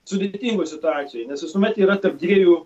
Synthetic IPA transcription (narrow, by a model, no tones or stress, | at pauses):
sʊd̪ʲet̪ʲiːŋɡoːsʲɪt̪ʊaːt̪sʲɪjonʲɛsʋʲɪsʊmʲɛt̪iːɾɐt̪ɐp̚d̪ɾʲiɛjuː